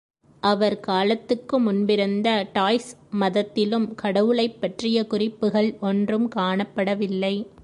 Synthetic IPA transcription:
ʔɐʋɐɾkaːlɐt̪ːɯkːɯmʊnbɪɾɯnd̪ɐʈaːjsmɐðɐt̪ːɪlɯmkɐɽɐʋɯɭɐɪpːɐʈrɪjɐkʊrɪpːɯɣɐɭɔndrɯmkaːɳɐpːɐɽɐʋɪlːɐɪ

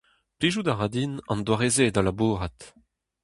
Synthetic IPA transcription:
pliʒudaʁad̪inɑ̰̃nd̪waʁezedalabuːʁat

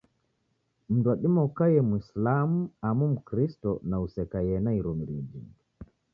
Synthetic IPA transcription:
m̩nduaɗimɔkajɛmuislamuamum̩kɾistɔnausɛkajɛnaiɾɔm̩ɾid͡ʒḭ

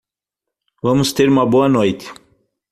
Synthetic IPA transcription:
vɐ̃mʊst̪eɾũmɐboɐnojt̪ɪ̥

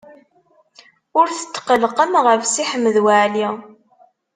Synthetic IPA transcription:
ʊɾθə̥t̪ːqəlqəmʁəfsiħəmːəðwaʕli

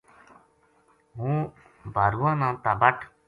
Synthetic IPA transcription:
ɦũː | bʱaɾuːãːnãːt̪abəʈʰ

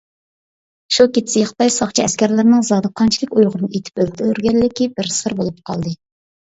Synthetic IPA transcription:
ʃukʲet̪ʰsɪjχt̪ɑjsɑχt͡ʃʰiɛskʲæɾlɪɾnɪŋzɑd̪ɨqʰɑnt͡ʃʰi̥lʲɪkʲujʁʊɾɨnɨet̪ʰɪ̥p̚ølt̪ʰɪøɾɡʲɛllːɪkʲibɪɾsɨɾbolˠup̚qʰɑ̰lˠd̪ɨ

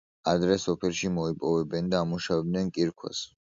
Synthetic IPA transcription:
ad̪ɾɛsɔpʰɛlˠʃimɔipʼɔvɛbɛnd̪aːmuʃavɛbnɛnkʼiɾkʰwa̰s

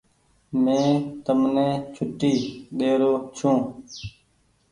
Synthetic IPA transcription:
mẽːt̪əmnẽːt͡ʃʰʊʈːiːɗeːɾoːt͡ʃʰũː

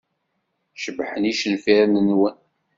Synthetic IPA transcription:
ʃəbħəniʃənfiɾnənwæn

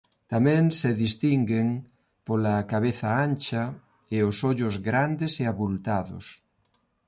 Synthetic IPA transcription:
t̪amẽŋseðist̪iŋɡeŋ | polakaβ̞eθaant͡ʃa | eosoʎozɣɾand̪eseaβult̪aðo̰s

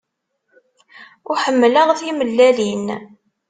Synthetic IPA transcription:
ʊħəmːləʁθiməlːælin

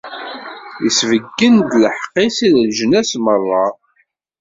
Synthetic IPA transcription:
jəsvəɡːənd̪ləħqːisiðlʒənæsmərˤːɑ

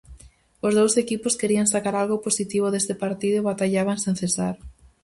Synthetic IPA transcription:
ʊzðowsekipʊskeɾiaŋsakaɾalɣʊposit̪iβ̞oðest̪epaɾt̪iðʊβat̪aʎaβ̞aŋsẽn̟θesaɾ

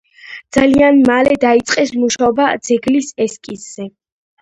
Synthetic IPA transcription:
d̪zalianmalɛd̪ait̪sʼqʼɛsmuʃaɔbad̪z̥ɛɡlisɛskʼisz̥ɛ

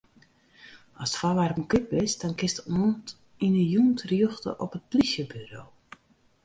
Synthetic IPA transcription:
ɔsfalaɾəməkɪt̚bɪsd̥ɔnkɪstɔnt | inəjuːntʰrjøxtə̰ʔɔpət̚plisjəbyɾoː

